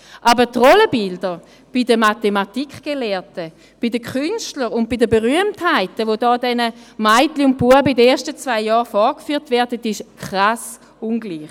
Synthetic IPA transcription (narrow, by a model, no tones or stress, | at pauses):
ʔabətʁɔləbɪldəʁ | b̥idəmatematikχɡ̥elɛːɐtə | b̥idəkχynʃtləʁʊnt̚b̥idəbeʁyəmthaɪtəvodɔːdɛnəmaɪtliʊnt̚b̥uəbəidəeːɐʃtət͡svaɪjɔːʁfɔʁkfyːɐtvɛɐdətɪʃkʰχʁas | unɡliːχ